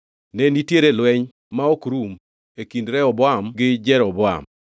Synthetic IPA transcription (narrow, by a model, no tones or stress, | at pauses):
nɛnitjeɾelwɛɲ | maɔkɾum | ekindɾɛɔbɔamɡɪd͡ʒɛɾɔbɔa̰m